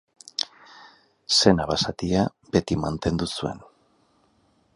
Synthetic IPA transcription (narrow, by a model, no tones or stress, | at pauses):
se̞naβasat̪iabe̞t̪imant̪e̞nd̪usue̞n